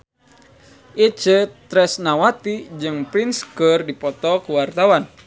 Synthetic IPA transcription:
ʔit͡ʃət̪ɾɛsnawat̪id͡ʒɨŋpɾinskərdipɔt̪ɔkuwart̪awan

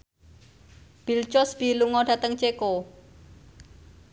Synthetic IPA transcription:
b̥ilt͡ʃɔsb̥i̤luŋɔɖä̤t̪əŋt͡ʃeko

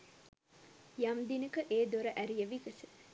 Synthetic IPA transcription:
jamd̪inəkəʔeːd̪oɾəʔæɾijəʋikəsə̥

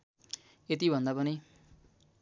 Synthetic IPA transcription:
et̪ibʱʌnd̪apʌni

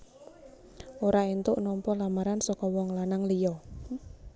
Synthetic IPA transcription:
oɾaent̪ʊʔnɔmpɔlamaɾansɔkɔwɔŋlanaŋlijɔ

